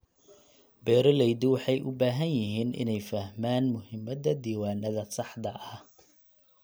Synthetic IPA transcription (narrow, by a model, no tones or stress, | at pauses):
bɛːɾɔlɛjd̪ɪwɑħɑjʔʊ̰baːɦɐnjɪɦiːnɪ̰nɛjfɐhmaːnmʊhɪmɐd̪ɐd̪iːwaːnɐðɐsɑħd̪ɐʔɐ